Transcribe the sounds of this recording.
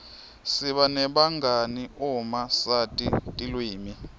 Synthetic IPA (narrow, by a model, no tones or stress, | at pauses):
siɓanɛɓaŋɡaniumasatʼitʼilwiːmi